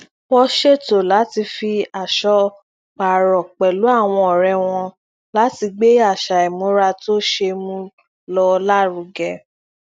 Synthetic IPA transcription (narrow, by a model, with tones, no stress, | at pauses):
wɔ˧ʃe˦˨to˨la˨˦ti˧fi˧a˨ʃɔ˧ | k͡pa˨ɾɔ˨k͡pɛ˨lu˨˦a˦˨w̃ɔ̃˧ɔ˨ɾɛ˧w̃ɔ̃˧ | la˨˦ti˧ɡ͡be˦a˦˨ʃa˨ɛ˨mũ˨˦ɾa˧to˦ʃe˧mũ˦ | lɔ˧la˦˨ɾu˨˧˦ɡɛ˧˨